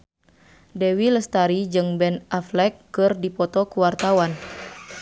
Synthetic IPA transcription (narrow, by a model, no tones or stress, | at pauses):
dɛwiləst̪aɾid͡ʒɨŋbɛnʔaflɛkːɨrdipɔt̪ɔkuwart̪awan